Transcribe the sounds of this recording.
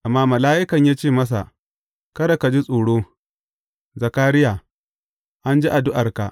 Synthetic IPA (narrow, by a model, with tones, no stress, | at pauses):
ʔa˨mːaː˦mɐ˨laː˦ʔɪ˦kɐ˨ɲjaː˦t͡ʃeː˦˨mɐ˦s̬a̰˨ | kɐ˦da˨ka˨d͡ʒi˦sʼuː˨ɽoː˦ | zɐ˨kaː˦ɾɪ˦jaː˨ | ʔa˦nd͡ʒi˦ʔa˨dʊ˦ʔɐ˨rka˨ʔ